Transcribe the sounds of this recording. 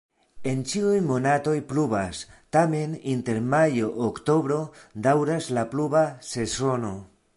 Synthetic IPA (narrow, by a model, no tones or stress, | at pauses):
e̞nt͡ʃiujmo̞nato̞jplubastame̞ninte̞ɾmajo̞ʔokto̞bɾo̞d̪awɾaslaplubase̞so̞no̞